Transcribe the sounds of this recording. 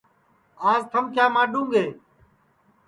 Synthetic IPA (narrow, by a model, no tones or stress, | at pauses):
aːzt̪ʰəmkjaːmãːɗũːŋɡeː